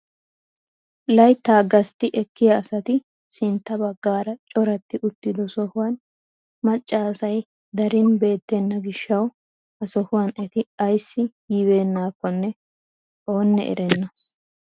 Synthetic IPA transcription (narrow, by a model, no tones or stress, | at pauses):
lɐjt̪ːaːɡɐst̪ːɪʔɛkːɪjɐːsɐt̪ɪ | sɪnt̪ːɐbɐɡːaːɾɐt͡ʃʼɔɾɐt̪ːɪʔʊt̪ːɪd̪ɔsɔhʊwɐn | mɐt͡ʃʼːaːsɐj | d̪ɐɾɪnbe̞ːt̪ːɛnːɐɡɪʃːɐw | ɐsɔhʊwɐnɛt̪ɪɐjsːɪjiːbe̞ːnːaːkːɔnːɛ | o̞ːnːɛ̰ʔɛ̰ɾɛnːɔ